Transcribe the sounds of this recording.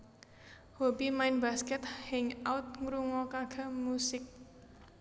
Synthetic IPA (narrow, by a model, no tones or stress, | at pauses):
hobimaɪnbaskɛt̪̚hɛŋawt̪̚ŋɾuŋɔkaɡ̥a̤musɪk̚